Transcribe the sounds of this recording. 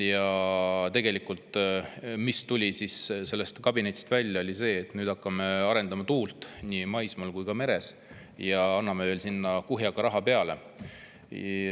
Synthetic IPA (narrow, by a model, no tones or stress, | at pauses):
jɑt̪e̞ɡ̥e̞likult̪ˑ | mist̪ulʲisisse̞lːe̞st̪kɑbine̞t̪ʲːˑi̥st̪vælʲjɑo̞lʲise̞ːt̪ːnyːd̪̥ɑkːɑme̞ɑɾe̞nd̪̥ɑmɑt̪uːlt̪niːmɑjsmɑlkujkɑme̞ɾe̞s | jɑɑnːɑme̞ve̞ːlsinːɑkuɦjɑɡɑɾɑɦɑpe̞ɑle̞̰